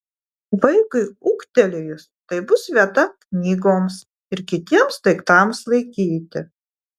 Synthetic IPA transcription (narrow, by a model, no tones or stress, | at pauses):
ʋɐɪkʊɪʊːkt̪ʲɛlʲɪjʊst̪ɐɪbʊsʋʲiɛt̪ɐknʲiːɡoːms | ɪɾkʲɪt̪ʲiɛmst̪ɐɪkt̪ɑˑmslˠɐɪkʲiːt̪ʲɪ